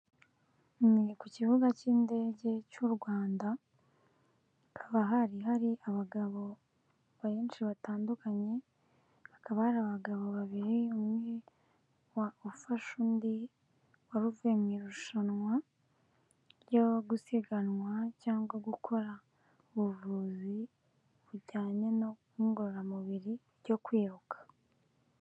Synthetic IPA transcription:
mikucivuɡaciːnde̞ːɟe̞cuɾɡwaːnda | haβaɦaɾiɦaɾiaβaɡaβo̞ | βaβeːnʃiβataːndukaɲe̞ | βakaβahaɾaːβaɡaβo̞βaβiɾiomwi | waofaʃundi | waɾuvuemŋiɾuʃanwa | ɾɟo̞ɡusiɡanwacaːŋɡaɡukʰo̞ɾa | uβuvuːzi | βuɟaːɲe̞no̞kuŋɡoɾamuβiɾiɾɟo̞kwiːɾukʰḁ

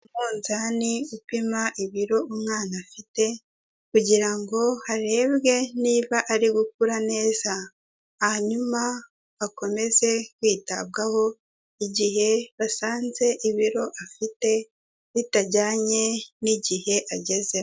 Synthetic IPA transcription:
umuːnzaniɡupimaʔiβiɾo̞umŋaːnafite̞ | kuɟiɾaŋɡo̞haɾe̞ːbɡe̞niːβaʔaɾiɡuk̚uɾane̞ːz̥aː | haɲuma | ako̞me̞ze̞kwiːta̰b̚ɡaho̞ | iɟihe̞βasaːnze̞ʔiβiɾo̞ʔafite̞ | βitaɟaːɲe̞niɟihe̞ʔaɟe̞ze

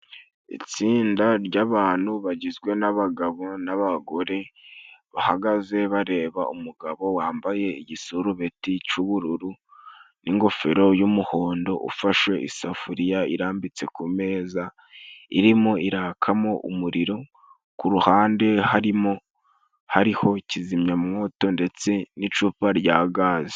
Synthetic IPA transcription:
ḭt͡siːndaɾɟaβaːn̥huβaɟizɡwe̞naβaɡaβo̞naβaɡo̞ɾe̞βahaɡaze̞βaɾe̞ːβaumuɡaβo̞waːmbaje̞iɟisuɾuβe̞tit͡ʃuβuɾuɾuniŋɡo̞fe̞ɾo̞jumuho̞ːndo̞ʔṵfaʃwe̞ʔisafuɾijaiɾaːmbit͡se̞kume̞ːza | ḭɾimoiɾaːkʰamoʔṵmuɾiɾo̞ | kuɾuhaːnde̞haɾimo̞ | haɾiho̞cizimɲamŋo̞ːto̞nde̞t͡se̞nit͡ʃuːpaɾɟaːɡaze

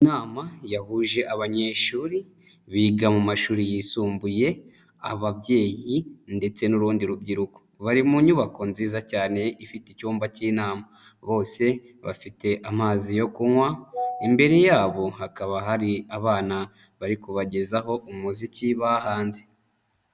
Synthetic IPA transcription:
naːmajahuːʒe̞ʔaβaɲe̞ʃuːɾi | βiːɡamumaʃuːɾijisuːmbuje̞ | a̰βaβje̞ːjinde̞t͡se̞nuɾuːndiɾubɟiɾuko̥βaɾimuɲuβakonziːzacaːne̞ifiticuːmbaciːnaːma | βo̞ːse̞ | βa̰fite̞ʔamaːzijokuŋwaimbe̞ɾe̞jaːβo̞hakaβaɦaɾiaβaːna | βaɾikuβaɟe̞zaɦo̞ʔumuziciβahaːnze̞

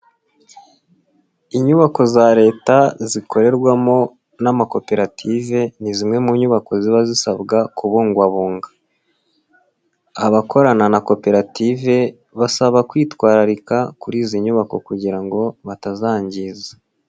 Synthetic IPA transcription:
iɲuβako̞zaɾe̞ːtazikʰo̞ɾe̞ɾɡwamo̞ | namako̞pe̞ɾatʰive̞nizimŋe̞muɲuβako̞ziβazisabɡakuβoːŋɡwaβuːŋɡḁ | βako̞ɾananako̞pe̞ɾative̞ | βasaβakwiːtwaːɾaɾikakuɾiːziɲuβako̞̰kuɟiɾaŋɡo̞βatazaːɲɟiza

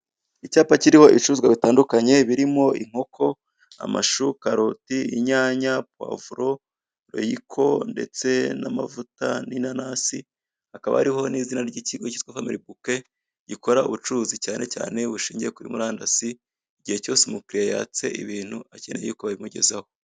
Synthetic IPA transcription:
icaːpaciɾiho̞ʔit͡ʃuzɡwaβitaːndukaɲe̞βiɾimo̞iŋ̥o̞kʰo̞ | a̰ma̰ʃukaɾotiiɲaːɲap̚wa̰ːvuɾo̞ | ɾo̞̰jikʰo̞̰nde̞̰t͡se̞nama̰vuta̰ninanasi | hakaβa̰a̰ɾiho̞niːzinaɾɟiciɡo̞citwafamiɾibuke̞ | ɟiko̞ɾaṵβut͡ʃuzicaːnʔe̞ca̰ːne̞βuʃiːɲɟiekuɾḭmuɾaːndasi | iɟihe̞co̞ːsemukɾijaja̰ːt͡se̞̰ʔḭβiːn̥huacenejikoβaβimuɟe̞̰zaho

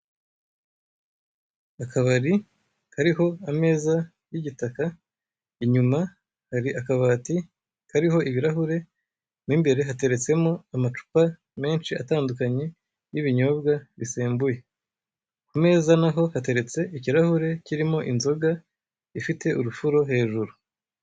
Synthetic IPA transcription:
akaβaɾi | kaɾiɦo̞ame̞ːza | jiɟitaka | iɲuma | haɾiʔakaβaːti | kaɾiɦo̞ʔiβiɾaɦuɾe̞ | niːmbe̞ɾe̞ɦate̞ɾe̞t͡se̞mo̞amat͡ʃu̥pa | me̞ːnt͡ʃiataːndukaɲe̞ | jiβiɲo̞bɡaβiseːmbuje̞ | kume̞ːzanaɦo̞hate̞ɾe̞t͡se̞ʔiciɾahuɾe̞ciɾimo̞ʔinzo̞ɡa | ifite̞ʔuɾufuɾo̞ɦe̞ːʒuɾu

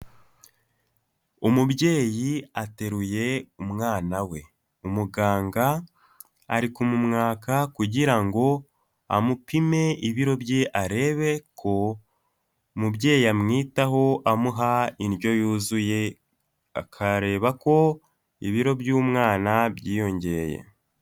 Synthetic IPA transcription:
umubɟe̞ːjiate̞ɾuje̞umŋaːnawe̞ | umuɡaːŋɡa̰ː | ɾikumumŋaːkakuɟiɾaŋɡo̞ | a̰mupime̞iβiɾo̞bjeʔaɾe̞ːβe̞kʰo̞ | mubje̞ːjiamŋiːtaɦo̞ʔamuɦainjo̞juːzuje̞ | a̰kʰaɾe̞ːβako̞ | ḭβiɾo̞bjuːmŋaːnabjiːjo̞ɲɟe̞jḛ

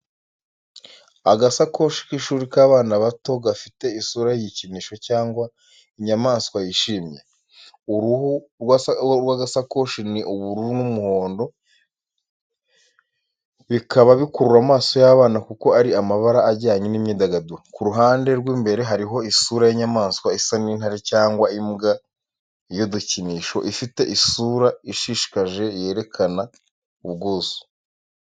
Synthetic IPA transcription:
aɡasako̞ʃi̥kiʃuːɾikaːβaːnaβato̞ɡafite̞isuːɾajiɟiciniːʃo̞caːŋɡwa | iɲamaːskwajiʃiːmje̞̰ | uɾuhu | ɾɡwaɡasako̞ʃiniʔuβuɾuunumuho̞ːndo̞ | βikʰaβaβikuɾuɾamaːso̞jaβaːnakuko̞aɾiamaβaɾaːɟaːɲinimɲiːdaɡadukuɾuɦaːnde̞ɾɡwiːmbe̞ɾe̞ɦaɾiɦo̞isuːɾajiɲamaːnskwaisaniːn̥haɾicaːŋɡwaimɡa | joduciniːʃo̞̰ʔifite̞ʔisuːɾaiʃiʃi̥kaʒe̞je̞ːɾe̞kʰana | uβɡoːzo̥

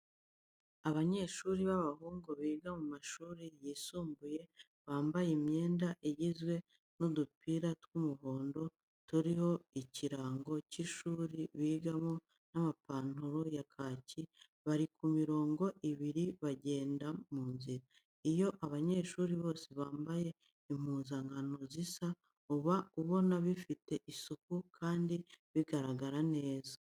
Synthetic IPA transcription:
aβaɲe̞ːʃuːɾiβaβahuːŋɡoβiːɡamumaʃuːɾijiːsuːmbuje̞ | βaːmbajemɲe̞ːndaʔeɟizwe̞ | nudupiːɾatwumuɦo̞ːndo̞ | tuɾiho̞iciɾaːŋɡo̞ciʃuːɾiβiːɡamo̞ | namapaːn̥uɾojakʰaːci | βaɾikumiɾo̞ːŋɡo̞ʔiβiɾiβaɟe̞ːndamuːnziɾa | ijo̞ʔaβaɲe̞ːʃuːɾiβo̞ːseβaːmbaje̞ | im̥huːnzaŋɡano̞zisa | uβauβo̞naβifite̞ʔisukukʰaːndiβiɡaɾaɡaɾane̞ːza

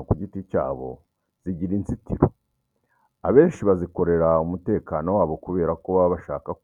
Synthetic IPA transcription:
kuɟitica̰ːβo̞̰ | z̥iɟiɾint͡sitiɾo | aβe̞ːnʃiβaziko̞ɾe̞ɾaumute̞ːkaːno̞waːβo̞kuβe̞ːɾakoβaββaʃaːkak

